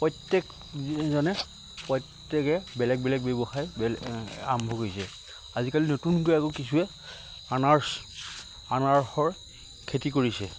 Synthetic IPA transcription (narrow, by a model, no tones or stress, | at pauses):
pɔjtːɛk | zɔnɛ | pɔjtːɛkɛbɛlɛk̚bɛlɛk̚bebɔxajbla̰mbʱɔkojsɛ | azikalinotunkojakokisʰuɛ | anaɹs | anaɹxɔɹ | kʰetikoɹisɛ